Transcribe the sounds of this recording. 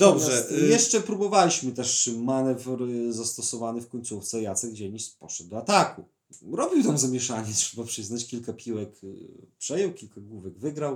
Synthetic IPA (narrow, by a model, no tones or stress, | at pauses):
d̪ɔbʐɛjɛʂt͡ʂɛpɾubɔvalʲiɕmɘt̪ɛʂmanɛvɾzast̪ɔsɔvanɛfkɔɲt̪suft̪sɛjat̪sɛɡɡd͡ʑɛɲispɔʂɛd̪̚d̪ɔat̪aku | ɾɔbʲiwt̪amzamʲjɛʂaɲɛtʂɛbapʂɘznat͡ɕkʲilkapʲiwɛkpʂɛjɛwkʲilkaɡwuvɛɡvɘɡɾaw